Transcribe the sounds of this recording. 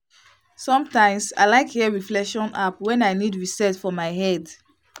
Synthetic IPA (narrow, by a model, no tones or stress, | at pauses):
sɔ̃mtãɪ̃msa̰ɪlaɪkhɛɹiflɛkʃɔ̃napwɛ̃naɪnidɹisɛtfɔmaɪɦɛd